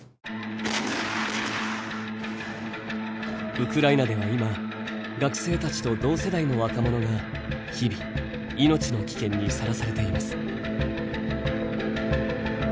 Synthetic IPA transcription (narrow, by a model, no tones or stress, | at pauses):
ɯ̟kɯ̟ɾainad̪e̞βaima | ɡakɯ̟̥se̞ːt̪at͡ɕi̥t̪o̞d̪o̞ːse̞d̪aino̞βakamo̞no̞ɡa | çibʲi | ino̞t͡ɕino̞kʲi̥kẽ̞ɲ̟ːisaɾasaɾe̞t̪e̞imasɨ̥